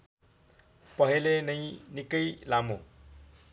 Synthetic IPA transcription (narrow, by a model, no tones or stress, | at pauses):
pʌɦelenʌjnikʌjlamo